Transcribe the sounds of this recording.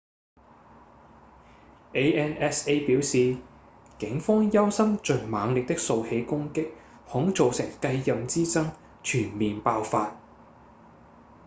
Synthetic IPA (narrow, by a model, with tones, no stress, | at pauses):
ʔe˥ɛː˥nɛ˦˥se˥piː˨˥wsiː˨˧ | kɪ˨˥ŋfɔː˥ŋjɐ˥wsɐ˥mt͡ʃɵ˨ŋmaː˨˧ŋlɪ˨k̚t̪ɪ˥k̚so˧whe˨˥jkʊ˥ŋkɪ˥k̚ | hʊ˨˥ŋt͡so˨wsɪ˨˩ŋkɐ˧jːɐ˨˧mt͡siː˥t͡sɐ˥ŋ | t͡ʃʰyː˨˩nmiː˨npaː˧wfaː˧t̚